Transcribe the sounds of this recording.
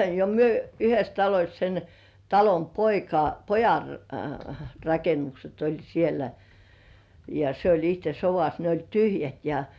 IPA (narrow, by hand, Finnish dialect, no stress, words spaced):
jɑ myø yhes tɑlosʲ sen tɑlom poikɑ pojɑn rɑkenːukset olʲ sielæ jɑ se olʲ ihte soʋɑs ne olʲ tyhjæt jɑ